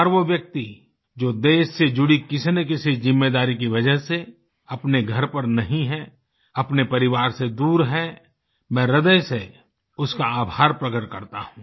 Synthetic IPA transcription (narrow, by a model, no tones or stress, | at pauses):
ɾʋoʋjɐk̚t̪i | d͡ʒoːd̪eːʃsed͡ʒʊɽikɪsnek̬ɪsezɪmːeːd̪aːɾik̬iʋɐd͡ʒəɦse | ɐpneɡʱɐɾpɐɾnɐɦĩɦɛ | ɐpnepɐɾɪʋaːɾsed̪uːɾɦɛ | mɛ̃ːɾɐd̪əjse | ʊskaaːbʱaːɾpɾɐkəʈ̚kɐɾt̪a̰ɦũː